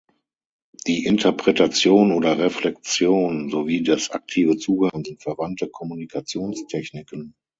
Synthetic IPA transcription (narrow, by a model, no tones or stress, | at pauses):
d̥iːʔɪntʰɐpʁ̥ɛtat͡sjoːnoːdɐʁeflɛk̚t͡sjoːnzoviːdasʔa̰k̚tʰiːvət͡suːɡəhənzɪntfɛɐvantəkʰɔmunikʰat͡sjoːnstʰɛçnɪkən